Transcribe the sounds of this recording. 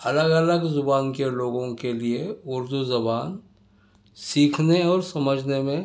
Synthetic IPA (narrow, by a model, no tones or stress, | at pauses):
ɐləɡələɡzʊbaːnkeloːɡõkelieʊɾd̪uzɐbaːn | siːkʰneɔːɾsɐməd͡ʒʱnemẽ